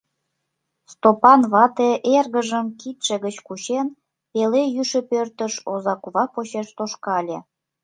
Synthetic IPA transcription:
st̪opɑnβɑt̪eʔerɣəʒəmkit̪ʃĕɣət͡ɕkut͡ɕen | pelejyʃĕpørt̪əʃozɑkuβɑpot͡ɕeʃt̪oʃkɑlʲĕ

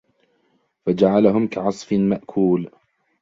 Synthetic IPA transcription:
fad͡ʒaʕalaɦʊmkaʕɑsˤfɪmaʔkʰuːl

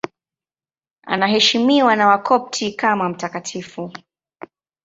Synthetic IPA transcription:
a̰naɦɛʃimiwanawakʰɔp̚tʰikamam̩takatʰifu

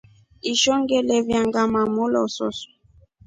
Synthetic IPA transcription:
iʃɔŋɡɛlɛvjaŋɡamamolɔ̰sɔ̰su̥

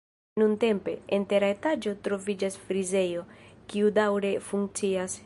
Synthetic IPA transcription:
nunte̞mpe̞̰ente̞ɾaetad͡ʒo̞tɾo̞vid͡ʒasfɾize̞jo̞kiudawɾe̞fuŋkt͡sias

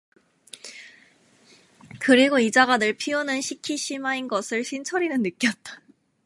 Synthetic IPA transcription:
kɯɾiɡoid͡ʑaɡadɯɭpʰionɯnɕʰikʰiɕʰimainɡʌsʰɯɭɕʰint͡ɕʰʌɾinɯnnːɯk͈jʌt̚t͈ḁ

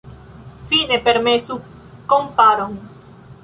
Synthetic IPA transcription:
fine̞pe̞ɾmesu | kompaɾoŋ

